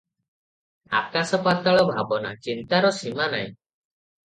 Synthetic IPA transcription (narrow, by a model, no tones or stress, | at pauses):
a̰kasɔpat̪aɭɔbʱabɔna̰t͡ʃint̪aɾɔsimana̰j̃